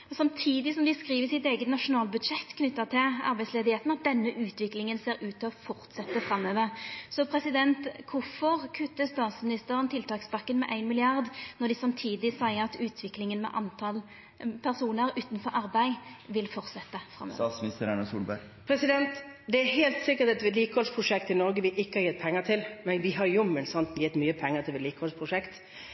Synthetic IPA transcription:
sɑmt̪ʰiːd̪ɪsɔmd̪ɪskʁiːʋəsɪt̪eːɡət̪nɑʂʊnɑːlbʉd̪ʂɛt̪ːkʰnʏt̪ːət̪ʰɪlɑ̰ɾbæɪsleːd̪ɪheːt̪n̩ɑt̪̚d̪ɛnːəʔʉːt̪ʰʋɪklɪŋənseːɾʉːt̪ʰːɪlɔfɔʁt̪sɛt̪ːəfɾɑmːøːʋəʁsɔpʰɾɛsɪd̪ɛnt̪kʰʊfɔʁkʰʉt̪ːəst̪ɑːʁsmɪnɪst̪əɾənt̪ʰɪlt̪ʰɑːksbɑkːənmɛʔæɪnmɪlɪɑʁd̪nɔʁd̪ɪsɑmt̪ʰiːd̪ɪsæɪɑt̪ʉːt̪ʰʋɪklɪŋənmɛ̰ʔɑnt̪ʰɑl | pʰæʁsuːnəɾʉːt̪nfɔɾɑʁbæɪʋɪlfɔʁsɛt̪ːəfɾʁɑ̰mø̰snɪst̪əɾænəsṵːlbæɾ | pʰɾɛsɪd̪ɛnt̪d̪ɛæɾɦeːlt̪sɪkːət̪ɛt̪ːəʋɪd̪liːkəhɔlspʰɾʊʂɛkt̪ɪnɔɾɡəʋɪʔɪkːəhɑɾjɛt̪̚pʰɛŋːət̪ʰɪlmɛnʋɪɦɑɾjʊmːənsɔnt̪njɪt̪ːmyːəpʰɛŋːət̪ʰɪʋɪd̪liːkəhɔlspʰɾʊʂɛkt̪

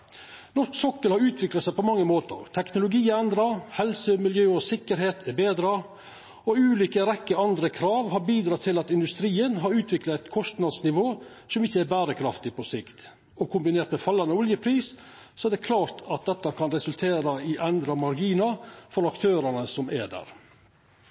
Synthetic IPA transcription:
nɔʂksɔkːəlhɑɾʉːt̪ʰʋɪklɑt̪sɛæɪpɔmɑŋːəmoːt̪ə̰ɾt̪ʰɛknʊlʊɡiːɛnd̪ɾɑhɛlsəmɪljøːɔsɪkːəɾheːt̪ʰɛbeːd̪ɾɑ | ɔʉːliːkəɾɛkːəɑnd̪ɾəkʰɾɑːʋɦɑɾbiːd̪ɾɑt̪ʰɪlɑt̪ɪnd̪ʉst̪ɾiːənɦɑɾʉːt̪ʰʋɪklɑt̪kʰɔst̪nɑd̪snɪʋoː | sɔmɪçːəɛɾbæːɾəkʰɾɑft̪ɪpʰɔsɪkt̪ | ɔkʰʊmbɪneːɾt̪mɛfɑlːɑnəɔljəpʰɾiːs | sɔɛd̪ɛkʰlɑːɾt̪ɑt̪̚d̪ɛt̪ːɑkʰɑnɾɛsʉlt̪ʰeːɾɑɪʔɛnd̪ɾɑmɑɾɡiːnɑfɔɾɑkt̪ʰøːɾənəsɔmʔɛ̰ɖ̪æ̰ːɾ

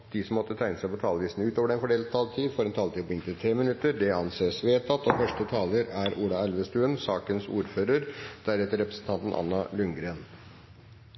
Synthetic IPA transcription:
d̪̥isɔmɔt̪ːət̪ʰæɪnəsæɪpɔt̪ʰɑːləʋiːsnʉːt̪oːʋəɾɛnfɔɖeːlt̪ʰɑːlt̪ʰiːd̪fɔɾɛnt̪ʰɑːlt̪ʰiːpɔɪnt̪ɪt̪ʰɾeːmɪnʉt̪ːəɖɛɑnseːsʋeːt̪ɑt̪ːɔfœʂʈət̪ʰɑːləɾæɾuːlɑɛlʋəst̪ʉːənsɑːkənsṵːɾføːɾəɾd̪̥æɾɛt̪əɾɛpɾəsn̩t̪ʰɑnt̪n̩ʔɑ̰nːɑlʏŋɡɾeːn

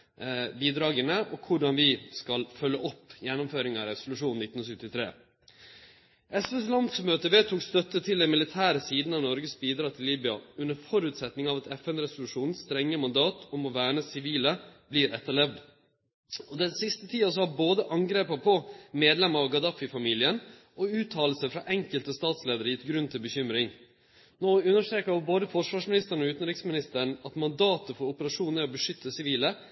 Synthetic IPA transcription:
biːd̪ɾɑːɡənəʔɔkʰʊɖɑnʋɪskɑlfœlːəʔɔpːjɛnːʊmføːɾɪŋɑɾɛsʊlʉʂuːnnɪt̪n̩ɔsʏt̪ɪt̪ʰɾḛː | ʔɛsʋɛslɑnd̪smøːt̪əʋeːt̪ʰuːkst̪œt̪ːət̪ʰɪlɛnmɪlɪt̪ʰæːɾəsiːd̪n̩ɑʋnɔɾɡəsbiːd̪ɾɑːt̪ʰɪlːiːbʏɑ̰ʉnːəɾfɔɾʉːt̪sɛt̪nɪŋɑʋɛt̪ɛfɛnɾɛsʊlʉʂuːnnst̪ɾɛŋːəmɑnd̪ɑːt̪ʰɔmɔʋæːɳəsɪʋiːləbliːɾʔɛt̪ːəɭɛʋd̪ | ɔd̪ɛnsɪst̪ət̪ʰiːɑsɔhɑɾboːd̪əʔɑŋɡɾeːpɑpʰɔmeːd̪lɛməɾɑʋɡɑd̪ɑfɪfɑmiːlɪən | ʔɔʉːt̪ʰɑːll̩səfɾɑʔɛŋkəlt̪əst̪ɑːt̪sleːd̪əɾjɪt̪ːɡɾʉnt̪ʰɪlbəçʏmɾɪŋ | noːʉnːəʂʈɾeːkəʋɔboːd̪əfɔʂʋɑːʂmɪnɪst̪əɾɳɔʉːt̪nɾɪksmɪnɪst̪əɳ̩ɑt̪mɑnd̪ɑːt̪əfɔɾʊpəɾɑʂuːnəɾɔbəʂʏt̪ʰːəsɪʋiːlə

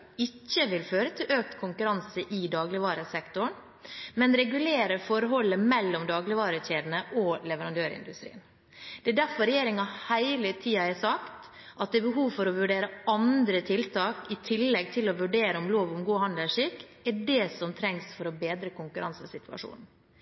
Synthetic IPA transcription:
ɪcːəʋɪlføːɾət̪ʰɪlʔøːk̚t̪kʰʊŋkʉɾɑnsəʔɪd̪ɑːɡlɪʋɑːɾəsɛkt̪ʊɳ | mɛnɾɛɡʉleːɾəɾfɔɾəɦɔlːəmɛlːɔmd̪ɑːɡlɪʋɑːɾəçeːd̪n̩əʔolɛʋəɾɑnd̪øːɾɪ̰nd̪ʉ̰st̪ɾḭːən | d̪̥ɛæɖ̪æɾfɔɾɛjeːɾɪŋɑhæɪlət̪ʰiːɑɛsɑkt̪ | ʔɑt̪̚d̪ɛbəɦuːʋfɔɾɔʋʉɖeːɾəɑnd̪ɾət̪ʰɪlt̪ʰɑːkɪt̪ʰɪlːɛɡ̚t̪ʰɪlɔʋʉɖeːɾəɔmloːʋʊmɡuːhɑnd̪əʂɪkː | ɛɖɛsɔmt̪ʰɾɛŋsfɔɾɔbeːd̪ɾəkʊŋkʉɾɑnsəsɪt̪ʉ̥ɑ̰ʂṵːnn̩

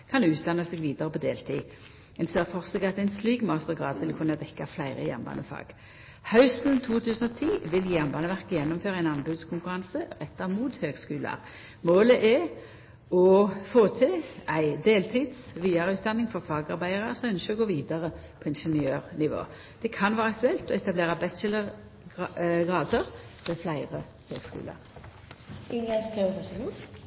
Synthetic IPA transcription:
kʰɑnd̪ʉʉːt̪̚d̪ɑnːəseːɡʋiːd̪ɑʁəpʰɔd̪eːlt̪ʰḭː | ɛnseːʁfɔʁsɡɑt̪æɪnsliːɡmɑːst̪əʁɡʁɑ̰ːd̪ʋɪlkʰʉnːɑd̪ɛkːaflæɪʁəjɛ̰mbɑ̰ːnəfɑ̰ːɡ̥ | hɑʉsn̩t̪ʰuːt̪ʰʉːsən̩ɔt̪ʰiːʋɪljjæmbɑːnəʋæʁkəjɛnːɔmføːʁɑæɪnɑnbʉːd̪skʰʊŋkʉɾɑnsəʁɛt̪ːɑmuːt̪høːɡskʉːlɑ̰ʁ | moːləʔɛ | ɔfoːt̪ʰɪlæɪd̪eːlt̪ʰiːd̪sʋiːɑʁəʉːt̪̚d̪ɑnːɪŋfɔʁfɑːɡɑʁbæɪɑʁəsɔœnʃəɔɡoːʋiːd̪ɑʁə | pʰɔɪnʂɛnɪøːʁnɪʋo̰ː | d̪̥ɛkʰɑnʋæːʁəɑk̚t̪ʉɛlt̪ɔɛt̪ɑbleːʁɑbɛt͡ʃələʁ | ɡʁɑːd̪əʁfɛflæɪʁə | hø̰ːɡskʉ̰ːlə̰ʁ | ɪŋəskeʋfɔsəɡu

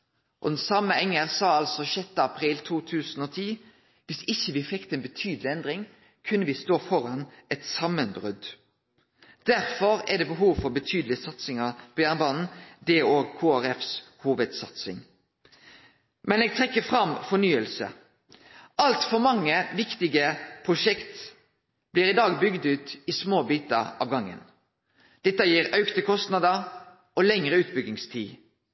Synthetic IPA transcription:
ʔɔ̰d̪ɛnsɑmːəɛŋːəʁsɑːɑlsɔçɛt̪ːəɑpʰʁiːlt̪ʰuːt̪ʰʉːsn̩ɔːt̪ʰiː | ʋɪsɪçːəʋɪfɛkt̪əɛːnbət̪ʰyːd̪əlɪɛnd̪ʁɪŋ | kʰʉnːəʋɪst̪oːfɔɾɑnʔɛt̪sɑmənbʁʉd̪ | d̪̥æɾfɔɾɛd̪ɛːbəɦuːʋfɔɾbət̪ʰyːd̪l̩ɪəsɑt̪sɪŋəpʰɔjæːʁnbɑːnn̩d̪ɛoːɡkʰoːæɾɛfs | huːʋəd̪sɑt̪sɪ̰ŋ | mɛneːɡ̚t̪ʰʁɛkːəfʁɑmfɔnyːəlsə̰ | ʔɑlt̪fɔɾmɑŋːəʋɪkt̪ɪɡəpʰʁʊʂɛkt̪ | b̥liːʁɪd̪ɑːɡbʏɡd̪ʉːt̪ɪsmoːbiːt̪əɑ̰ːʋɡɑŋːə̰n | d̪̥ɛt̪ːəjiːɾɑʉkt̪əkʰɔst̪nɑd̪ə | ʔɔlɛŋʁəʉːt̪̚bʏɡ̪ɪŋst̪ʰiː

